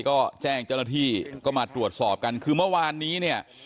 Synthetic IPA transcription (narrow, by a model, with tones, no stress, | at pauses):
kɔː˥˩t͡ɕɛː˥˩ŋt͡ɕa˥˩naː˥t̪ʰiː˥˩kɔː˥˩maː˧t̪ɾu˨˩ət̪̚sɔː˨˩p̚ka˧nkʰɯː˧mɯ˥˩ɐwaː˧nːiː˦˥ni˥˩ɐ